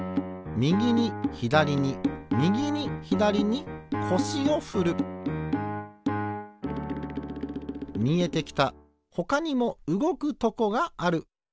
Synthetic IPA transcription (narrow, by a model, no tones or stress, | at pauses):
mʲiɡʲiɲ̟içid̪aɾʲiɲ̟imʲiɡʲiɲ̟içid̪aɾʲiɲ̟ikʰo̞ɕio̞ɸɯɾɯ̟ | mʲie̞t̪e̞kʲi̥t̪a | ho̞kaɲ̟imo̞ɯɡo̞kɯ̟t̪o̞ko̞ɡaːɾɯ̟